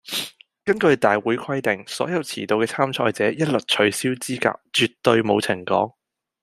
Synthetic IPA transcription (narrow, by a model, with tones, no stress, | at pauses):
kɐ˥nkɵ˧ɥt̪aː˨jwuː˨˥jkʰɐ˥jt̪ɪ˨ŋsɔ̰ː˨˥jɐ˨˧wt͡sʰiː˨˩t̪o˧wkɛː˧t͡sʰaː˥mt͡ʃʰɔ̰ː˧jt͡sɛː˨˥jɐ˥t̚lɵ˨k̚t͡ʃʰɵ˨˧ɥsiː˥wt͡siː˥ka̰ː˧k̚t͡ʃyː˨tt̪ːɵ˧ɥmo˨˧wt͡sʰɪ˨˩ŋkɔ̰ː˨˥ŋ